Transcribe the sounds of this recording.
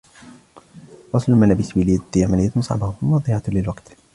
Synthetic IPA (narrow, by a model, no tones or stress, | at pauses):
ɾˤɑsˤllmanaːbɪswilid̪jamanɪjːat̪sˤɑ̰ʕbanɑd̪ˤiːʕɑlɪlwaɡt̪